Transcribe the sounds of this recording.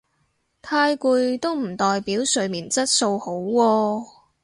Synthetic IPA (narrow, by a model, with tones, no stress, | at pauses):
t̪ʰaː˧jkuː˧jt̪o˥wm̩˨˩t̪ɔː˨jpiː˨˥wsɵ˨˧ɥmiː˨˩nt͡sɐ˥t̚so˧who˨˥wwɔː˧